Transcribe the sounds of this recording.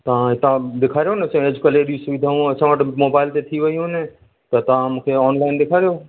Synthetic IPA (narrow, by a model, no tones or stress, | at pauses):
t̪ɐɦãɪt̪ãd̪ɪkʰaːɾjonesẽed͡ʒkəleɽisuʋid̪ʱaːɦũɐsʰãʋəʈmoːbaːɪlt̪et̪ʰiʋɐiɦõne | t̪ɐt̪ɐãmukʰeɔːnlaɪnd̪ɪkʰaːɾejo